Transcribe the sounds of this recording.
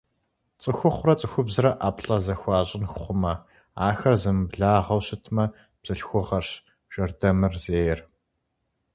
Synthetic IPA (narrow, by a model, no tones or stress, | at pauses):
t͡sʼɨxʷʊχʷʊrɐt͡sʼɨxʷʊbzɨrɐʔaːpɬʼɐzɐxʷɑːʑʼɪnxʷʊχʷʊmɐ | aːxɐrzɨmɨbɮaːʁɐwɕɪtʰmɐ | b̥z̥ɨɬxʷʊʁɐrɕ | ʒ̥ɐrdɐmɨrzeːjɛr